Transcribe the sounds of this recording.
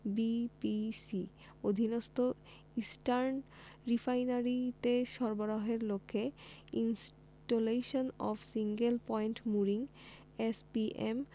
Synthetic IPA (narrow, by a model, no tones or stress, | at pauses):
bipisi | od̪ʱinost̪o | isʈaɾn | ɾifʰajnaɾit̪eʃɔɾboɾoɦeɾlokʰːeins | ʈoleʃonɔfʰsiŋɡelpɔiɳʈmuɾiŋ | espiʔem